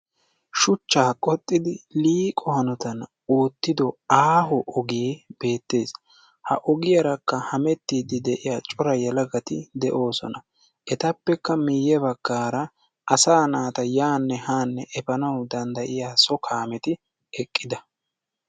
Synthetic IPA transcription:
ʃʊt͡ʃːaːkʼɔt̪ʼːɪd̪ɪliːkʼɔhɐnɔt̪ɐn | oːt̪ːɪd̪ɔaːɦɔʔɔɡib̥e̞ːt̪ːe̞ːs | hɐ̰ʔɔɡɪjɐɾɐkːɐhɐmɛt̪ːiːd̪ɪd̪ɛʔɪjaːt͡ʃʼɔɾɐjɛlɐɡɐt̪ɪd̪ɛʔo̞ːsɔ̰nɐ | ʔɛt̪ɐpːɛkːɐmɪjːɛbɐɡ̥ːaːɾɐ | ʔɐsaːnaːt̪ɐjaːnːɛhaːnːɛʔɛpɐnɐwd̪ɐnd̪ɐʔɪjaːsɔkʰaːmɛt̪ɪ | ɛkʼːɪd̪ɐ

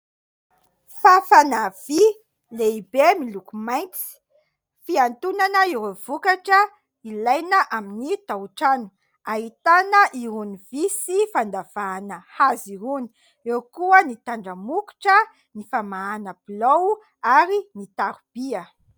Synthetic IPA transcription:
fafanav̥i | leibemilukumajnt͡si̥ | fiant̪unanəiɾov̥ukaʈ͡ʂə | ilajnəʔaminit̪auʈ͡ʂanu̥ | aɦit̪anəʔiɾunivisifand̪av̥aːnəhaziɾuni̥ | ewkuənit̪aɳɖ͡ʐəmuku̥ʈ͡ʂə | nifamaanəblow | aɾinit̪aɾub̥iə

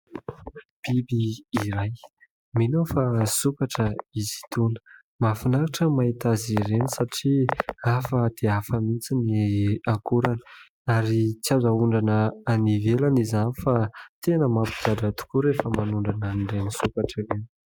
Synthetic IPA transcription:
b̥ibiːɾaj | minofasukaʈ͡ʂəizi̥t̪unə̥ | mafanaɾaʈ͡ʂəmait̪aziɾenisaʈ͡ʂiafəd̪̥eafəmit͡siniakuɾani̥ | aɾit͡sjazauɳɖ͡ʐanəːnivelanizanifat̪enəmapi̥d͡ʒaɖ͡ʐat̪u̥kuɾefəmanuɳɖ͡ʐananiɳɖ͡ʐenisukaʈ͡ʂiren

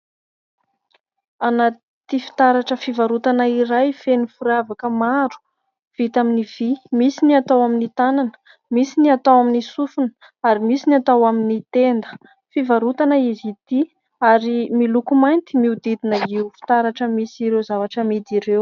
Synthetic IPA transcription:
ana | t̪ifi̥t̪aɾaʈ͡ʂəfivaɾut̪anəiɾajfenifuɾavakəmaɾu̥ | v̥it̪aminiv̥imisiniat̪awaminit̪ananə̥ | misiniat̪awaminisufunə̥ | aɾimisinat̪awaminit̪end̪ə̥ | fivaɾut̪anəizit̪i | aɾimilukumajnt̪imiud̪id̪inəiufi̥t̪aɾaʈ͡ʂəmisiɾewzavaʈ͡ʂəmed̪iɾew

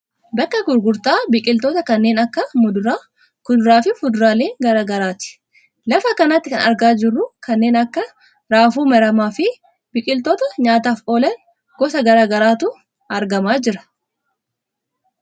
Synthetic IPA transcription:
bɐkːɐɡʊɾɡʊɾt̪aːbɪkʼɪlt̪oːt̪ɐkɐnːe̞ːnɐkːɐmʊd̪ʊɾaː | kʊd̪ʊɾaːfɪfʊd̪ʊɾaːleːŋɡɐɾaːɡɐɾaːt̪ɪ̥ | lɐfɐkɐnɐt̪ːɪkɐnɐɾɡaːd͡ʒɪrːʊkɐnːe̞ːnɐkːɐ | ɾaːfuːmɐɾɐmaːfɪ | bɪkʼɪlt̪ɔːt̪ɐɲaːt̪aːfoːlɐŋ | ɡ̥ɔsɐɡɐɾaːɡɐɾaːt̪ʊ | ɐɾɡɐmaːd͡ʒɪɾɐ̥

